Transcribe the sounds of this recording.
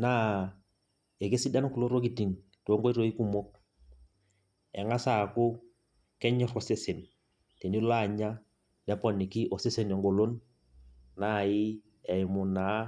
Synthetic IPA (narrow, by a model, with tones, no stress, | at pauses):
na˦ | e˨ke˦sɪ˦da˦nku˨lo˦ɾo˦ki˨ti˨ŋ | to˦ŋko˦i˦ɾo˦i˦ku˦mo˦k̚ | ɛ˨ŋa˦sa˨kʊ˦ | kɛ˦ɲɔ˦rɔ˨sɪ˦sɪ˨n | te˨ni˦la˦˨ɲa˦ | dɛ˦pɔ˨nɪ˨kɪ˦ʔɔ˨sɪ˦sɪ˦nɛ˨ŋɡo˨lo˦nː | a˦˨ɪ˦ | ɛ˨ɪ˨mʊ˨na˨˦